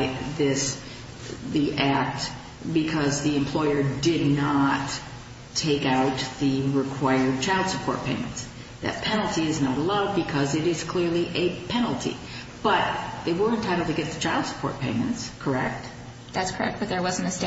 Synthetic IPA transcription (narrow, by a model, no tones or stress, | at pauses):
ðɪs | ðiʔæk̚t | bɨkʰʌzðiɨ̃mpʰl̥ɔɪə˞dɪdⁿnətʰ | eɪkaʊt̪̚ðɨɹɪkʰw̥aɪə˞d̚t͡ʃʰaɪlˠd̥səpʰɔ̰ɹt̚pʰẽɪ̃mɨ̃nts | ðɨ̰t̚pʰɛ̃nl̩ˠtʰiɨznəɾəlaʊd̚bɨkʰʌzɨɾɪz̥kʰl̥ɪɹliʔɨpʰɛnl̩ˠtʰḭ | b̥ʌt̪̚ðeɪwə˞ɨ̃ntʰaɪɾl̩ˠdtʰɨɡɛt̪̚ðɨt͡ʃʰaɪlˠd̥sə̥pʰɔ̰ɹt̚pʰẽɪ̃mɨ̃ntskʰə˞ɛk̚t̚ | ðætskʰə˞ɛ̰k̚b̥ʌt̪̚ðə˞wʌz̃n̩tɨst